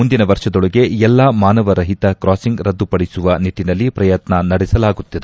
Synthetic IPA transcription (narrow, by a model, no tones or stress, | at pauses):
mund̪inɐʋɐɾʂɐd̪ɔɭɐɡe̞ɛlːaːmaːnɐʋɐɾɐɦit̪ɐkɾaːsiŋɡɾɐd̪ːupɐɽisuʋɐniʈːinɐlːipɾɐjɐt̪nɐnɐɽɛsɐlaːɡut̪ːid̪e